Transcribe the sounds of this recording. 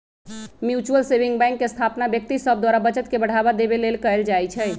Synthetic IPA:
mjut͡ʃuəlsebiŋɡbɛ̃ŋkːest̪ʰapnabjək̚t̪isəb̚ʱd̪waɾabət͡ʃət̪kebəɽ̤abad̪ebelelkəeld͡ʒajt͡ʃʰɛj

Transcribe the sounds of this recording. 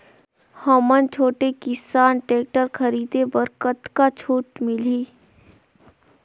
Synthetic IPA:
həmənt͡ʃʰoːʈekɪsaːnʈeːk̚ʈəɾkʰəɾiːd̪ebəɾkət̪kat͡ʃʰuːʈmɪliː

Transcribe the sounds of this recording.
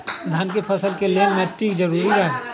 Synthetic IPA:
d̪ʱaːnkepʰɐsəlkelemɛ̃ʈʰiːkd͡ʒɐɾuːɾiɾã

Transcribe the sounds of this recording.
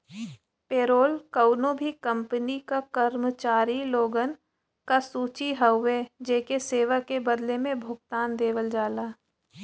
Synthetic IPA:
peːɾoːlkəʊnõbʱikə̃mpənikakəɾmət͡ʃaːɾiloːɡən | kasuːt͡ʃiɦəʊʋed͡ʒeːkeseːʋakebəd̪lemẽbʱʊɡ̚t̪aːnd̪eːʋəld͡ʒaːlaː

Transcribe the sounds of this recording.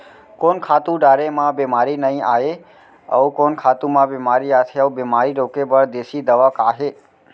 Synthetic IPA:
konkʰat̪ũɖaɾemãbemaɾinəɦĩae | ə̰ũkonkʰat̪ũmãbemaɾiat̪ʰeəũbemaɾiɾokebəɽd̪esid̪əʋakaːɦe

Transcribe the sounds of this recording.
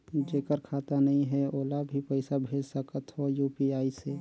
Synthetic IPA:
d͡ʒeːkəɾkʰaːt̪anɐɦĩɦɛoːlabʱipəɪsabʱeːd͡ʒsəkət̪ɦojuːpiaːise

